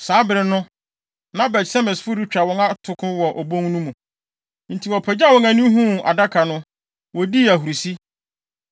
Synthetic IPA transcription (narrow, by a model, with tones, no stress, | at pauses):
saː˨˦bɪ˨ɾɪ˨nʊ̃˦ | nã˦bɛ˨tsa˦mɪ̃˨sfʊ˦ɾi˦t͡ɕᶣɾa˨wɔ̃˦ŋa˦tʰʊ˨kʰʊ̃˦wɔ˨ʔɔ˨bõ˦ŋ˦nũ˦mũ˨ | n̩˨tʰi˨wɔ˨pʰɛ˨d͡ʑa˦˨wɔ̃˦ŋã˨nĩ˦ɦũ˦˨a̰˨da˦kʰa˨nʊ̃˦ | wɔ˨di˦æ˨ɦu˨ɾu˨si˦